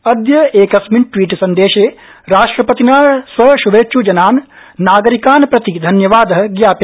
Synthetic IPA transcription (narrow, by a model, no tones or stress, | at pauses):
ɐd̪jɐeːkɐsmiɳʈʋiːʈsɐnd̪eːʃeː | ɾaːʂʈɾɐpɐt̪inaːsʋɐʃuʋeːt͡ʃud͡ʒɐnaːn | nːaːɡɐɾikaːnpɾɐt̪id̪ʱɐnjɐʋaːd̪ɐɦɐ̆ɡjaːpi